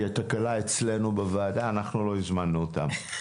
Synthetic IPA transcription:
at̪akalaet͡sle̞nubeveːd̪aːnaχnulo̞izmanːuot̪a̰m

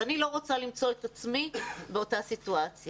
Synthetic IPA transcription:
anilo̞ʁot͡salimt͡so̞etat͡smibeo̞tasituat͡sj

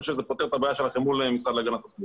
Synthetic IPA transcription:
ʃezepot̪eʁt̪habajaʃelaχemulemisʁadlaɡanat̪asli

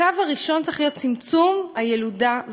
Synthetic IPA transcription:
avaʁiʃo̞nt͡saeχlijo̞t̪t͡simt͡sumajeludav

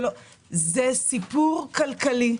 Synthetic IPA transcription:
lo | zesipuʁkalkali

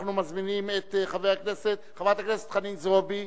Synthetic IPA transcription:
χnumazminimet̪χaveakneset̪χavat̪akneset̪χanimzobi

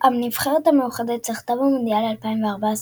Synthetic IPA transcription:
amnivχeʁet̪amejuχad̪et͡seχt̪avamond̪ijalalpaimveaʁbas

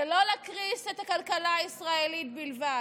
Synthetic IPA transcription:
elo̞lakʁisetakalkalaːisʁaelit̚bilva

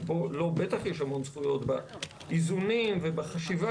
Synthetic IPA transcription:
bolo̞be̞t̪aχjeʃhamo̞nsχujo̞tba | izunimvebaχaʃiva

